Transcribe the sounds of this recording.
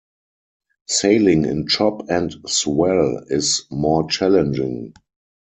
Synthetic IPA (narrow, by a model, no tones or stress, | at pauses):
seɪlɪ̃ŋɪ̰̃nt͡ʃɔpɛ̃ntswɛlɪsmɔːt͡ʃælɛ̃nd͡ʒɪ̰̃ŋ